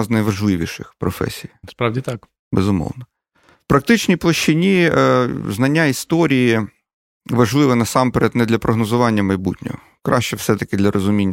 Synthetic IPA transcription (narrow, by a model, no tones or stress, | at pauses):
znɐjʋɐʒlˠɪʋʲiʃɪxpɾɔfɛ̰sʲijspɾɑwʲit̪ɑk | bɛzʊmɔ̰wnɐ | wpɾɐk̚t̪ɪt͡ʃnʲijplˠɔʃt͡ʃɪnʲi | znɐnʲːaist̪ɔɾʲiji | ʋɐʒlˠɪʋɛnɐsɑmpeɾɛt̪nɛd̪lʲɐpɾɔɦnɔzʊʋɑnʲːɐmɐjbutʲnʲɔ̰ɦɔ̰ | kɾʔɑ̰ʃt͡ʃɛwsɛt̪ɐkɪd̪lʲɐɾʔɔzʊmʲinʲː